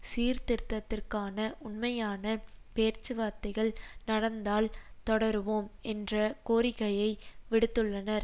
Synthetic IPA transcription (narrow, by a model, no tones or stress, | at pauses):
siːɾt̪ɪɾt̪ːɐt̪ːɪrkaːnɐʔʊnmɐjaːnɐpeːɾt͡ʃɯʋaːt̪ːɐɣɐɭnɐɽɐnd̪aːlt̪ɔɽɐɾɯʋoːmɛndrɐkoːɾɪɣɐjɐɪʋɪɽɯt̪ːɯɭːɐnɐɾ